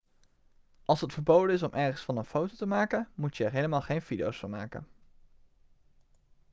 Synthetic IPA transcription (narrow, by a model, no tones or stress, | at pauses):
ʔɑlˠsɦətfəɹbowdəɪs̬ɔmʔɛɹχənsfɑnənfowtowtəmaːkənmutjəɛɹɦejləmaːlˠχejnvidiowsfɑnma̰ːkə̰n